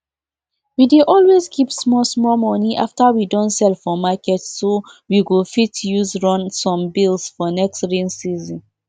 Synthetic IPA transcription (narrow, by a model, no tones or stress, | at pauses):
wideʔɔlwezkʰipsmɔsmɔmɔniʔaftawidɔ̃ntsɛlfɔmakɛtsːo | wiɡofitʰjuzɹɔ̃nsɔ̃mbilsfɔnɛkstɹĩnsizɔ̃n